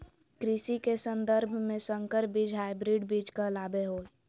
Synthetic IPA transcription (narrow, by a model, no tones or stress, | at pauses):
kɾisikesə̃nd̪əɾbʱmẽsəŋkəɾbid͡ʒʱɦaɪbɾiɖbid͡ʒkalabeɦoːi